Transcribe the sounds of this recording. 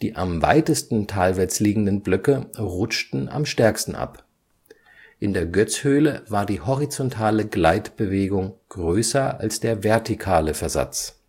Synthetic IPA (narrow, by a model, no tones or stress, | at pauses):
d̥iːʔamva̰ɪtəstn̩tʰaːlvɛt͡sliːɡŋ̩dənblʏkəʁʊt͡ʃtn̩a̰mʃtɛɐkstn̩ʔa̰p | ʔɪndeːɐɡœt͡shøːləvaːɐdiːɦɔʁit͡sɔntʰaːləɡlaɪtb̥əveːɡʊŋɡ̥ʁøːsɐa̰lsd̥eːɐvɛɐtikʰaːləfɛɐza̰t͡s